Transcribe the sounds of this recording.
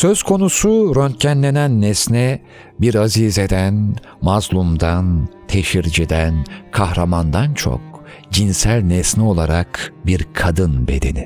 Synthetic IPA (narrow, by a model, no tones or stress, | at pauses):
sø̞z̥kʰo̞nusuɾønt̪̚cʰænlʲe̞nænːɛsnɛ | biɾazized̪æn | mazlˠumd̪ant̪ʰe̞ʃiɾd͡ʒid̪ænkʰahɾamand̪ant͡ʃʰo̞̰k̚ | d͡ʒinsælʲnɛsnɛo̞lˠaɾakbiɾkʰad̪ɯnbe̞̰d̪e̞̰ni